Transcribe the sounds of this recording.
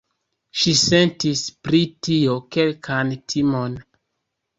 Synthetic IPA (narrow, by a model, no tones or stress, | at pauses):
ʃise̞ntispɾitio̞ke̞lkʰantʰimo̞n